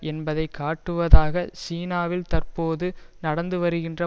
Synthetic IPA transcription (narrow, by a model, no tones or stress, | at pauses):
ʔɛnbɐðɐɪkʰːaːʈːɯʋɐðaːɣɐsiːnaːʋɪlt̪ɐrpoːðɯnɐɽɐnd̪ɯʋɐɾɯɣɪndrɐ